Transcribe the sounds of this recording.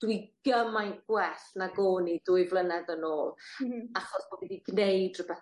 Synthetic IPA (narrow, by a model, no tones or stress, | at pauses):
d̥wiɡ̥əmajɡ̥wɛɬnaɡoːnidʊːɨjvlˠənɛðənoːlˠaχɔsbovidiɡnejdrəbɛθ